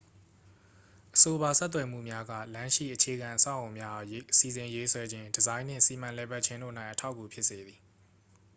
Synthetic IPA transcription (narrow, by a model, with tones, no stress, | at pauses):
ʔəso˨ba˨sɛ˦t̪̬ːwɛ˨m̥ṵ˦˨mja˦ɡä̰˦˨lã˦ʃḭ˦˨ʔət͡ɕʰe˨ɡã˨ʔəsa̰˦˨ʔõ˨mja˦ʔsi˨zɪ̃˨je˦swɛ˦d͡ʑɪ̃˦ndəzã˦ɪ̃n̥ɪ̰̃˦˨si˨mã˨lɛ˨ba˦t̚t͡ɕʰɪ̃˦ndo̰˦˨nã˦˨ɪʔətʰa˦ʊkːu˨pʰjɪ˦ʔse˨d̪ði˨